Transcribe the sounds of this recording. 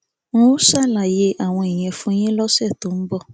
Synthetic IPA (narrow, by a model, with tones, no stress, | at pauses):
nũ˦sa˦˨la˨je˧ʔa˨w̃ɔ̃˧i˨j̃ɛ̃˨fũ˦j̃ẽ˦lɔ˦sɛ˦˨to˨˦m̩˦bɔ˦˨